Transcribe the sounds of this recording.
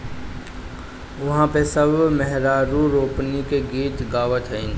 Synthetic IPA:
ʊɦãpesəbmɛɦɾaːɾuɾoːpnikeɡiːt̪ɡaːʋət̪ʰɦəĩːn

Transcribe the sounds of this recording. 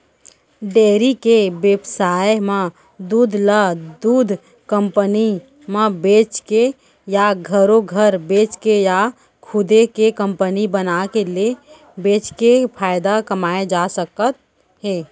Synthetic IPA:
ɖeːɾikeʋebsaːjmẽ | d̪uːd̪ʱləd̪uːd̪ʱ | kəmpəni | mẽbeːt͡ʃke | jaɡʱəɾoɡʱəɾbeːt͡ʃkeja | kʰʊd̪ekekə̃mpənibənakele | beːt͡ʃkepʰaːɪd̪akəmaːed͡ʒasəkət̪̚ | ɦeː

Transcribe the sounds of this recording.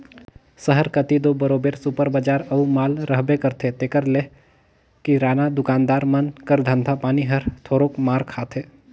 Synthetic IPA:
səɦəɾkət̪id̪oːbəɾoːbeːɾsupəɾbəd͡ʒaːɾɐumaːlɾəɦbekəɾt̪ʰet̪eːkəɾle | kiɾaːnad̪ʊkaːnd̪aːɾmənkəɾd̪ʱə̃nd̪ʱapaːniɦəɾt̪ʰoːɾoːkmaːɾkʰaːt̪ʰeː

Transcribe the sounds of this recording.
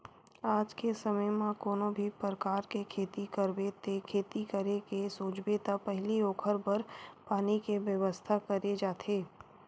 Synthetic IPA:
aːd͡ʒkesɐməjmãkoːnõbʱipɾɾəkaːɾkekʰeːt̪ikəɾbet̪ekʰeːt̪ikəɾekesoːt͡ʃbet̪apɛɦlioːkʰəɾbɐɾpaːnikeʋjɐʋəst̪ʰakɐɾed͡ʒaːt̪ʰeː

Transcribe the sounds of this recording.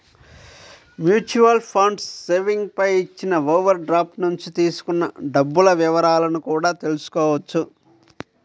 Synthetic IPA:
mjuːt͡ʃuʋɐlpʰɐɳɖsːeːʋiŋɡ̚pɐjit͡ʃːinɐʋoːʋɐɾɖɾaːpnuɲt͡ʃit̪iːsu̥kunːɐ̰ɖɐbːulɐʋiʋɐɾaːlɐnukuːɽaːt̪e̞lusu̥kɔːʋɐt͡ʃːu

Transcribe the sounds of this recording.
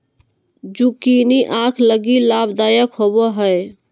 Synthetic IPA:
d͡ʒukiniʔãkʰləɡilabd̪ajəkɦobɔɦəj

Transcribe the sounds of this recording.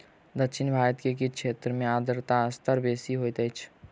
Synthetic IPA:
d̪əkʃʰɪnbʱaɾət̪kek̬ikt͡ʃʰʃʰet̪ɾəmead̪əɾt̪aəst̪əɾbesiɦojt̪əjt͡ʃʰ

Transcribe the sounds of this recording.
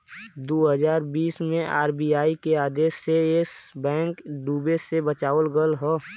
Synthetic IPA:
d̪oːɦəzaːɾbiːsmẽʔa̰ːɾbiːaːikeaːd̪eːsːeesbɛ̃ːŋkɖuːbesebət͡ʃaːʋəlɡəlɦɛː

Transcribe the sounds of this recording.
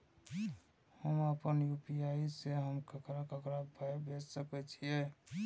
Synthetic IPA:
həməpənjupiaiseɦəmkəkɾakəkɾabʱabʱed͡ʒsəkɛt͡ʃʰije

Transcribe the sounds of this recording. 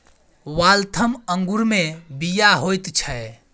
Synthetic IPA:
walt̪ʰəməŋɡuɾmebijaɦojt̪t͡ʃʰɛ

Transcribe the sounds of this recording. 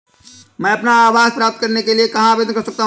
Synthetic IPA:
məəpnaːbazpɾap̚t̪̚kəɾnekeliekəɦãbed̪nkəɾsək̚t̪aɦ

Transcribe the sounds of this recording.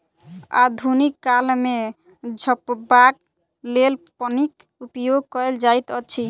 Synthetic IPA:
a̰d̪ʱunikːalme | d͡ʒʱəpbak | lelpɔnik | upjoɡ̚kɔeld͡ʒajt̪ɔt͡ʃʰi

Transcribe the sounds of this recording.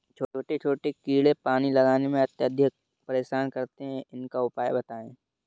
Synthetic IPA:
t͡ʃʰoːoːʈet͡ʃʰoːʈekiːɽepaːnilɐɡaːnemẽɐt̪jəd̪ʱjək̚ | pɐɾeːʃaːnkɐɾt̪eɦɛ̃ʔɪnkaʊpaːjbɐt̪aːḛ̃ː

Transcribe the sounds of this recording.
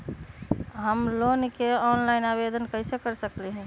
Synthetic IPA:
ɦəmlonkeɔnlaɪnabed̪ʱənkəɪsekəɾsəklɛɦɛ̃

